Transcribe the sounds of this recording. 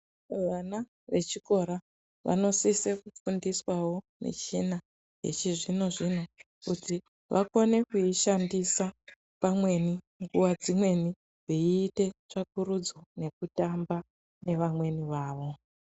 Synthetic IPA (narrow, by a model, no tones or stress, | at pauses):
ʋana | ʋe̞̰t͡ʃiko̞ɾa | ʋa̰no̞sisekufundiswawo̞ | nḛt͡ʃina | ɦe̞̰t͡ʃiʐino̞ʐino | kuti | ʋʔa̰ko̞ne̞kuiʃandisa | pamwe̞ni | ŋɡuwad͡zimwe̞ni | ʐiiːte̞t͡ʂak̚uɾud͡zone̞k̚utamba | ne̞ʋamwe̞niʋaːʋo̞